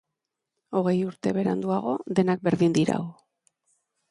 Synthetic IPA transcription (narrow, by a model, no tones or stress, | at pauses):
o̞ɣ̞e̞juɾt̪e̞βe̞ɾa̰nd̪uaɣ̞o̞ðe̞nak̚be̞ɾðind̪iɾa̰ɣo